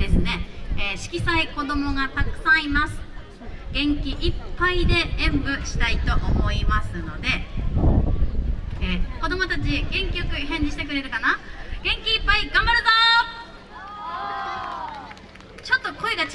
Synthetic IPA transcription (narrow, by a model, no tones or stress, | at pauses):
d̪̥e̞sɨne̞eːɕi̥kʲisaiko̞d̪o̞mo̞ɡat̪akɯ̟̥sãɰ̃imasɨ̥ | ɡ̥ẽ̞ŋkʲiʔipːaid̪e̞ẽmbɯ̟ɕi̥t̪ait̪o̞ʔomo̞imasɨno̞d̪e̞ | eːko̞d̪o̞mo̞t̪at͡ɕiɡẽ̞ŋkʲijo̞kɯ̟hẽ̞ɲ̟d͡ʑiɕi̥t̪e̞kɯ̟ɾe̞t̪ekanaɡ̥ẽ̞ŋkʲiːpːaiɡãmbaɾɯ̟zo | t͡ɕo̞t̪ːo̞ko̞eɡa